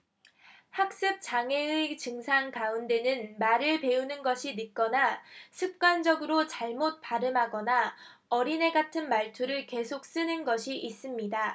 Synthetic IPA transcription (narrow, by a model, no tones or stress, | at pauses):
hak̚s͈ɯp̚t͡ɕ͈aŋe̞ɯt͡ɕɯŋsʰaŋkaunde̞nɯnmaɾɯɭpe̞unɯnɡʌɕʰinɯt̚k͈ʌnasʰɯp̚k͈wand͡ʑʌɡɯɾot͡ɕaɭmot̚p͈aɾɯmɦaɡʌna | ʌɾine̞ɡatʰɯnmaɭtʰuɾɯɭke̞sʰok̚s͈ɯnɯnɡʌɕʰiʔis͈ɯmɲida